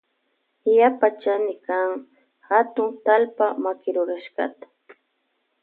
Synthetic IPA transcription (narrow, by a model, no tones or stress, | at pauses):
japat͡ʃanɪkaŋ | hat̪ʊŋt̪alpamakɪɾʊɾaʃɢɑ̰t̪ḁ